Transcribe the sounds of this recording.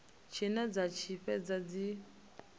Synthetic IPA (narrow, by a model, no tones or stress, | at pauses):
t͡ʃʰinɛd͡zat͡ʃʰiɸɛd͡zad͡zi